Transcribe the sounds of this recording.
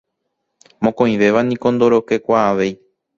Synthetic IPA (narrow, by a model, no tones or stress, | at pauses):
mõkõĩʋe̞ʋanĩko̞nd̪o̞ɾoke̞kʷaːʋe̞j